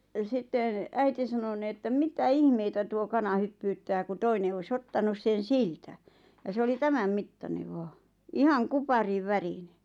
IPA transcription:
jɑ sitːen̆ æiti sɑno ni etːæ mitæ ihmeitæ tuo kɑnɑ hypːyːtːæː ku toine ois otːɑnus sen̞ siltæ jɑ se oli tæmæm mitːɑneʋ̆ ʋɑː ihɑŋ kupɑriʋːærine

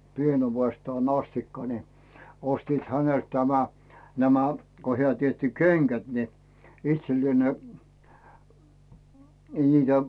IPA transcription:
pienuʋestɑːn ɑstikːɑ ni ostiːt hænelt tæmæ næmæ ko hĕæˑ tietːi keŋɡ̊æt ni itselːĭeˑ ne ni niːtæ

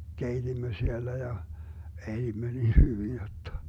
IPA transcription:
keitimːø sielːæ jɑ elimːø nin hyʋin jotːɑ̥

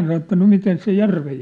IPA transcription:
sɑno etːæ no miten se jærʋej

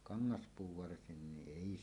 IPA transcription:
kɑŋːɑspuː ʋɑrsinːiʔ ʔeˑi

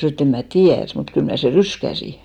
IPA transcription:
snoˑ et em mæ tiær mut kyl mnæˑ se ryskæsi

